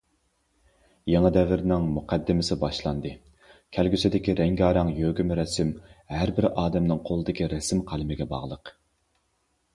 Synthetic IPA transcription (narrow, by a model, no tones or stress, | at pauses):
jɑŋɑd̪ɛvɪɾnɪŋmuqʰɛd̪ːɪmɪsɪbɑʃlˠɑnd̪ɨ | kʲʰælɡʲysɪd̪ɪkʲiɾɛŋɡʲɑːɾɑŋjøɡʲymɾɛsɪmhæɾbɪɾɑːd̪ɛmnɨŋqʰolˠɨd̪ɪkʲiɾɛsɪmqʰælˠɪmɪɡʲɛbɑ̰ʁlˠəq